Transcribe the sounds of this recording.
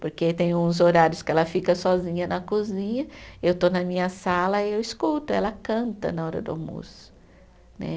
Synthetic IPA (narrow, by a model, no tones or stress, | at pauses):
poɾket̪ẽj̃ũzoɾaɾjʊskɪɛlɐfikɐsɔzĩɲɐnɐkuzĩɲɐewt̪onɐmĩɲɐsalɐiewiskut̪ʊɛlɐkɐ̃nt̪ɐ̰nɐɔɾɐ̰d̪ʊa̰mo̰sʊ̥ | nɛ̰